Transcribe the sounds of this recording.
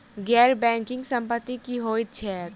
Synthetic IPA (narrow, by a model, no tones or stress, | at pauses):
ɡɛːɾbɛ̃ːŋkɪ̃ŋɡsə̃mpət̪ːikiɦoːit̪t͡ʃʰɛː